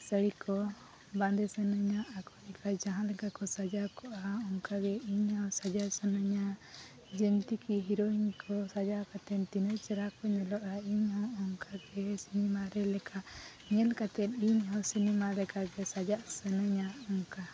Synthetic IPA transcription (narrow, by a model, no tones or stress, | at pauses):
səɽikʰɔ | bãnd̪ɛsənəɲaʔːkɔlɛkad͡ʒaɦãlɛkakɔsad͡ʒakɔʔaɔŋkaɡɛiɲhɔ̃sad͡ʒasənəɲa | d͡ʒəmt̪ikiɦiɾɔiɲkʰɔsad͡ʒakat̪ɛnt̪inəjt͡ʃɛɾakɔɲɛlɔʔaiɲhɔɔŋkaɡɛsinimaɾɛlɛkʰaʔ | ɲɛlkat̪ɛt̪iɲɦɔ̃sinimalɛkaɡɛsad͡ʒaʔsənəɲaɔŋka